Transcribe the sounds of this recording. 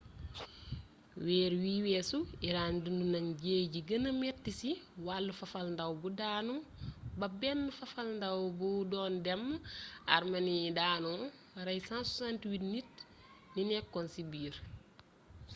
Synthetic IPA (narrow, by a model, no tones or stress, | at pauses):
wɛːɾwiːwɛːsuiɾaːndundunɐŋɟeːɟiɡɐnɐmɛtːisiwalːufɐfɐlndɐwbudaːnubɐbɛnːfɐfɐlndɐwbudɔːndɛma̰ɾmɐnidaːnu | ɾɐjsãnsɔsantiwitnit̚ | ninɛkːɔnsibiːɾ